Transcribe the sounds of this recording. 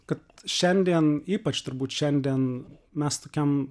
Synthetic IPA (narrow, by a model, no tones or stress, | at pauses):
kɐt̪ʃʲɛnʲd̪ʲiɛniːpɐt͡ʃt̪ʊɾbuːt̪ʃʲɛnʲd̪ʲiɛnmʲɛst̪oːkʲɛm